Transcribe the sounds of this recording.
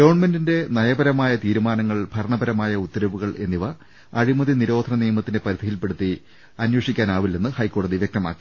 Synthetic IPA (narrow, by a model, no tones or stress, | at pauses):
ɡɐʋɐɳmendinde̞nɐjɐbɐɾɐmaːjɐt̪iːɾumaːnɐŋːɐɭbʱɐɾɐɳɐbɐɾɐmaːjɐut̪ːɐɾɐʋuɣɐɭe̞̰nːiʋɐ | ɐɻimɐðiniɾo̞ːd̪ʱɐnɐnijɐmɐt̪ːinde̞pɐɾid̪ʱijilpe̞ɽut̪ːi | ɐnweʂikʲːaːnaːʋilːenːɨhɐjkːo̞ːɽɐðiʋjek̚t̪ɐma̰ːkːi̥